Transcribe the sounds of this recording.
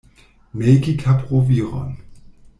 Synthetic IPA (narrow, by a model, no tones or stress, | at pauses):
mekikʰapʁoviːʁɔ̰n